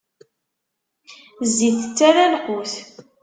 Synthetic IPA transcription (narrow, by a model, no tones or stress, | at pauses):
zːiθə̥t͡sːæɾælqʊθ